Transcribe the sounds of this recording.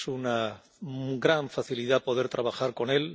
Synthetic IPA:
suna | ɡɾaɱfaθiliðapo̞ðeɾt̪ɾaβ̞axaɾko̞ne̞l

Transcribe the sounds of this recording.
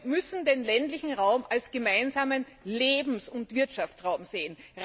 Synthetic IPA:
mʏsn̩deːnlɛntlɪçn̩ʁaʊmalsɡ̥əmaɪnzaːmən | leːbm̩sʊntv̥ɪɐtʃaft͡sʁaʊmz̥eːənʁ

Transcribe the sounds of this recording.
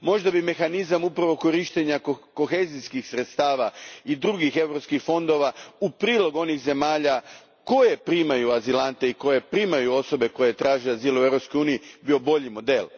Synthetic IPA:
mo̞ʒd̪abime̞xanizamupɾaʋo̞ko̞ɾiʃt̪eɲakko̞xeziskixsɾet̪st̪aːʋaid̪ɾuɡixe̞ʋɾo̞pskixfo̞nd̪o̞ʋaupɾiːlˠo̞ɡuo̞nixze̞maːʎa | ko̞je̞pɾimajuazilant̪e̞iko̞je̞pɾiːmajuo̞so̞be̞ko̞je̞t̪ɾaːʒiazilue̞vɾopskojuːnijibio̞bo̞ʎimo̞d̪e̞l

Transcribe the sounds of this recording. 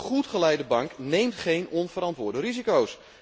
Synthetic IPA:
χutχəlɛjdəbɑŋknejmtχejnɔnvəɾɑntʋʊːɹdərizikows

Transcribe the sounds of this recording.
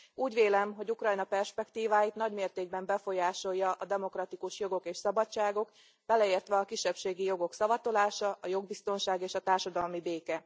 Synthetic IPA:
uːɟʋeːlɛmɦo̞ɟukrɒjnɒpɛrʃpɛkt̪iːvaːjit̪nɒɟmeːrt̪eːɡ̚bɛmbɛfo̞jaːʃo̞jːɒʔɒd̪ɛmo̞krɒt̪ikuʃjo̞ɡo̞keːʃsɒbɒt͡ʃːaːɡo̞k | b̥ɛlɛeːrt̪ʋɛɒkiʃːɛpʃeːɡijo̞ɡo̞ksɒvɒt̪o̞laːʃɒʔɒjo̞ɡ̚bist̪o̞nʃaːɡeːʃɒt̪aːrʃɒd̪ɒlmibeːkɛ

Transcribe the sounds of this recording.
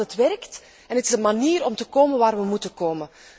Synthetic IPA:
ətʋɛrkt | ɛnətɪzənmaniːɾɔmtəkoːmənʋaːrʋəmutəkoːmən

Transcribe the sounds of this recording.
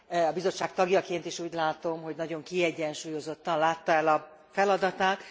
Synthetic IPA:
ɒbizo̞t͡ʃːaːk̚t̪ɒɡjɒkeːnt̪iʃuːɟlaːt̪o̞mɦo̞ɟnɒɟo̞ŋkiɛɟːɛnʃuːjo̞zo̞t̪ːɒnlaːt̪ːɒɛlɒ | fɛlɒd̪ɒt̪aːt̪

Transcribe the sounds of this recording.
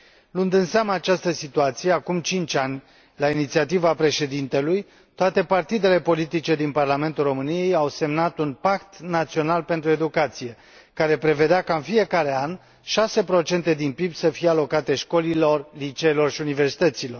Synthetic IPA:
lund̪ɨnseamaːt͡ʃast̪əsit̪uat̪sije̞akumt͡ʃint͡ʃʲanʲ | lainit̪siat̪ivapɾe̞ʃe̞d̪int̪e̞luj | t̪oat̪e̞part̪id̪e̞le̞po̞lit̪it͡ʃe̞d̪inparlame̞nt̪ulro̞mɨnije̞jawse̞mnat̪unpakt̪nat̪sio̞nalpe̞nt̪ɾue̞d̪ukat̪sije̞ | kaɾe̞pɾe̞ve̞d̪eakaɨnfije̞kaɾe̞an | ʃase̞pɾo̞t͡ʃe̞nt̪e̞d̪inpibsəfijealo̞kat̪e̞ʃko̞lilo̞rlit͡ʃeːlo̞rʃiunive̞rsi̥t̪ət̪silo̞r

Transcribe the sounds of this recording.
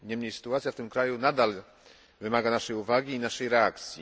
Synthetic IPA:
ɲɛmɲejsɘ̥t̪uat̪sʲjaft̪ɘmkɾajunad̪al | vɘmaɡanaʂɛjuvaɡʲiːnaʂɛjɾɛakt̪sʲjḭ

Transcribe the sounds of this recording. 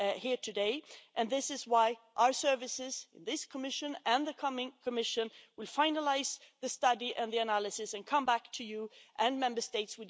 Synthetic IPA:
hiɹtʰɨdeɪʔɨ̃nðɪsɨzwaɪʔaʊə˞sɜ˞vɨsɪz̥ɨ̃nðɪskʰəmɪʃɨ̃nɨ̃nðɨkʰʌmɪ̃ŋkʰɨmɪʃɨ̃nwɨlˠfãɪ̃nəlaɪzðɨstʌɾiʔɨ̃nðiɨnælˠɨsɨsɨ̃nkʰʌ̃mbæk̚tʰɨjɨʔɨ̃nmɛ̃mbə˞steɪtswɨ

